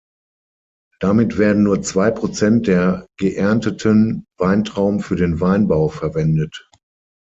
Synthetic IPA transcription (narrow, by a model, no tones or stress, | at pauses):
d̥amɪtv̥eːɐdn̩nuːɐt͡sv̥aɪpʁ̥ot͡sɛnt̚d̥eːɐɡ̥əʔɛɐntətʰənvaɪntʁ̥aʊmfyːɐɾeːnvaɪnbaʊfɛɐvɛndət